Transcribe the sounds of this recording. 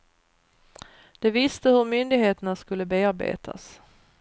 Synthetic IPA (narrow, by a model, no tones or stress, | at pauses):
d̪̥ɛvɪst̪əhɵɾmʏnd̪ɪɡheːt̪əɳaskɵlːəbeːaɾbḛːt̪ʰa̰s